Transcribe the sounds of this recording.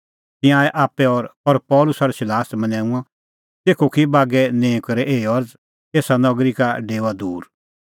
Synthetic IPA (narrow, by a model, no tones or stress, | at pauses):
t̪ɪ̃jãːɛʔaːpːɛɔːɾɔɾpɔːlʊsaɾɛsɪlaːsmɐnɛ̃ːũã | t̪eːkʰokʰibaːɡɛnẽːkɐɾɛʔeːiɔɾd͡z | eːsanɔɡɾikaɖeːad̪uːɾ